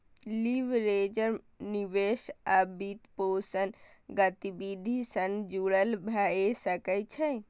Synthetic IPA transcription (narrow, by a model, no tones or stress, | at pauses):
liʋɾed͡ʒəɾ | niʋeʃabit̪posənɡət̪ibid̪ʱisənd͡ʒuɽəlbʱaesəkət͡ʃʰɛ